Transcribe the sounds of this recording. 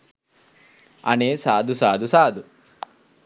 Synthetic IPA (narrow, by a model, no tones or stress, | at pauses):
ɐ̰neːsaːd̪ʱusaːd̪usaːd̪u